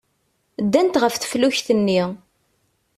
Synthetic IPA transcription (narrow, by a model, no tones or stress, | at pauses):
d̪ːænt̪ʁəfθə̥fluçθənːi